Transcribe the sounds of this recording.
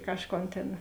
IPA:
ˈkɑːʃˌkoːn tʲeːn

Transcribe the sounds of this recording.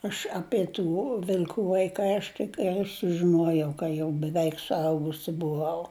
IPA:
ɐʃ ˈɑːpʲiɛ tuː ʋʲɪlʲˈkuː ʋɐɪˈkɐɪ ˈɐʃ tʲɪk ˈɡɐlʲ sʊʒʲɪˈnuɔjɛʊ kɐ ˈjɛʊ bʲɛˈʋʲɛɪk sʊˈɐʊɡʊsʲɪ bʊˈʋɐʊ

